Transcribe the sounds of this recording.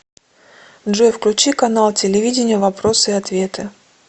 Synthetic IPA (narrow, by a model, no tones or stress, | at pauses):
ʐofklʲʉt͡ɕikɐnalˠtʲɪlʲɪvʲidʲɪnʲɪjəvɐpɾo̞sɨɪɐt̪vʲe̞t̪ɨ